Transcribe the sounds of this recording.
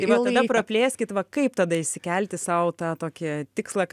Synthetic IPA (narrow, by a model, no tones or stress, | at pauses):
t̪ɐɪʋɐɐdɐpɾɐpʲlʲeːsʲkʲɪt̪ʋɐkɐɪpt̪ɐd̪ɐɪʃʲsʲɪkʲɛlʲt̪ʲɪsɐʊt̪ɑːt̪oːkʲɪt̪ʲɪkslˠɐ